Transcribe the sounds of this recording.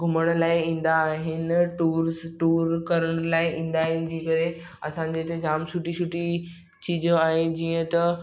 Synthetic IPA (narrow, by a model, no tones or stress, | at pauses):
ɡʱʊməɽ̃ʊlaːɪĩːn̆d̪aːɦɪnʈuːɾsʈuːɾkɐɾəɽ̃laːɪʔĩːnd̪aːɦɪnɪ̆d͡ʑiːkɐɾe | ɐsãːɲ̆d͡ʑet̪ed͡ʑaːmt͡ɕʰʊʈit͡ɕʰʊʈi | t͡ɕiːd͡ʑoaːɦed͡ʑiːə̃t̪ɐ